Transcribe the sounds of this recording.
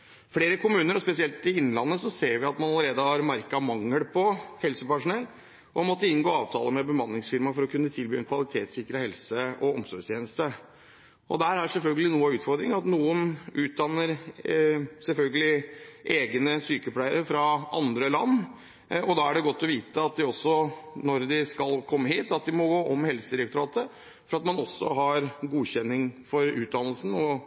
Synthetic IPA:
fleːɾəkʊmʉːnəɾɔspɛsɪɛlt̪ɪɪn̩ːlɑnːəsɔseːɾʋɪɑt̪mɑnɑləɾeːd̪əhɑɾmɑɾkɑmɑŋːəlpʰɔhɛlsəpæʂʊnɛlː | ʔɔmɔt̪ːəɪnɡoːɑːʋt̪ʰɑ̰ːləmɛbəmɑnːɪŋsfɪɾmɑfɔɾɔkʰʉnːət̪ʰɪlbyːɛnkʰʋɑlɪt̪ʰeːt̪sɪkɾəhɛlsəʔɔɔmsɔɖst̪jeːnəst̪ə | ʔɔ̰d̪æɾæɾsɛlfœlɡəlɪnuːəʉːt̪fɔɾd̪ɾɪŋɑt̪nuːənʉːt̪̚d̪ɑnːəɾ | sɛlfœlɡəlɪʔeːɡnəsyːkəpʰɽæɪəɾəfɾɑʔɑ̰nd̪ɾəlɑnː | ɔd̪ɑæɖɛɡɔt̪ːɔʋiːt̪əɑt̪̚d̪ɪɔsːɔnɔɾd̪ɪskɑlkʰɔmːəɦiːt̪ɑt̪̚d̪ɪmɔɡoːʔɔmhɛlsəɪɾɛkt̪ɾɑːt̪ə | fɔɾɑt̪mɑnɔsːɔ̰ɦɑɾɡuːçɛnːɪŋfɔɾʉːt̪̚d̪ɑnːəlsn̩ɔ

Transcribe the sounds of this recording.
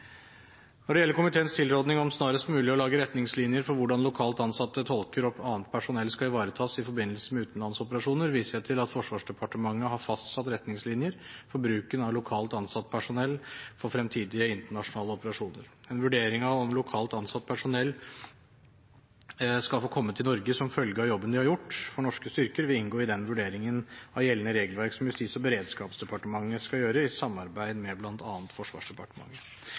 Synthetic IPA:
nɔɖɛjɛlːəkʊmɪt̪ʰeːənst̪ʰɪlɾoːd̪nɪŋɔmsnɑːɾəst̪mʉːlɪɔlɑːɡəɾɛt̪nɪŋslɪnjəɾfɔɾʋʊɖɑnlʊkʰɑːlt̪ɑnsɑt̪ːət̪ʰɔlkəɾɔpːɑːənt̪̚pʰæʂʊnɛlːskɑɪʋɑːɾət̪ʰɑːsɪfɔɾbɪnːəlsəmɛʉːt̪n̩lɑnsɔpəɾɑʂuːnəɾʋiːsəɛt̪ʰɪlɑt̪fɔʂʋɑːʂɖɛpʰɑʈəmɑŋːəɦɑɾfɑst̪sɑt̪ɾɛt̪nɪŋslɪnjəɾfɔɾbɾʉːkənɑʋlʊkʰɑːlt̪ɑnsɑt̪ːpʰæʂʊnɛlːfɔɾfɾɛmt̪ʰiːd̪ɪəɪnt̪əɳɑʂʊnɑːləɔpəɾɑʂuːnəɾɛnʋʉɖeːɾɪŋɑʋɔmlʊkʰɑːlt̪ɑnsɑt̪̚ːpʰæʂʊnɛlː | skɑlfoːkʰɔmːət̪ʰɪlnɔɾɡəsɔmfœlɡəɑjɔbːənd̪ɪhɑɾjʊʈːfɔɳɔʂkəst̪ʏɾkəɾʋɪɪnɡoːɪd̪ɛnʋʉɖeːɾɪŋənɑʋjɛlːənəɾeːɡəlʋæɾksɔmjʉst̪iːsɔbəɾeːd̪skɑːpsd̪ɛpʰɑʈəmɑŋːəskɑjøːɾəɪsɑmːɑɾbæɪd̪mɛblɑnt̪ʰɑːnt̪fɔʂʋɑ̰ːʂd̪ɛpʰɑʈəmɑ̰ŋːə

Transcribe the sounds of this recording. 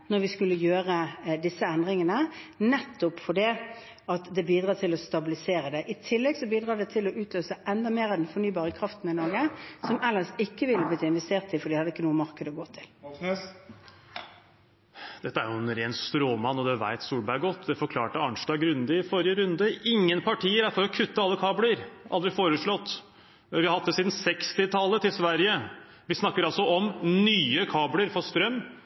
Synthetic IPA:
nɔɾʋɪskʉlːəjøːʁəd̪ɪsːəɛnd̪ʁɪŋənənɛt̪ːʊpfɔɖɛ | ɑt̪d̪ɛbiːd̪ʁɑːt̪ʰɪlɔst̪ɑbɪlɪseːɾəd̪ɛʔɪt̪ʰɪlːɛɡsɔbiːd̪ɾɑːd̪ɛt̪ʰɪlɔʔʉːt̪løːsəʔɛnd̪ɑmeːɾɑd̪ɛnfɔnyːbɑːʁəkʰʁɑft̪n̩ɪnɔɾɡəsɔmʔɛlːəɾsɪkːəʋɪlːəbliːt̪ɪnʋɛst̪eːʁt̪ɪfɔɾiːhɑd̪ːəɪkːənuːəmɑʁkəd̪əɔɡoːt̪ʰɪ̥l | d̪̥ɛt̪ːəæɾjʊɛnɾeːnst̪ɾoːmɑnːɔd̪ɛʋæ̰ɪt̪suːlbæɪɡɔt̪ːd̪ɛfɔɾkʰlɑːʈəɑnʂdɑːɡɾʉnd̪əɪfɔɾɪəɾʉnd̪əʔɪŋːənpʰɑʈʰiːəɾæɾfɔɾɔkʰʉt̪ːəɑlːəkʰɑːbləɾʔɑ̰ld̪ɾɪfoːɾəʂɭɔt̪ː | ʋɪhɑɾhɑt̪ːəsiːd̪n̩sɛkst̪ɪt̪ʰɑlːət̪ʰɪlsʋæɾjə | ʋɪsnɑkːəɾɑlsɔʔɔmnyːəkʰɑːbləɾfɔst̪ɾœmː

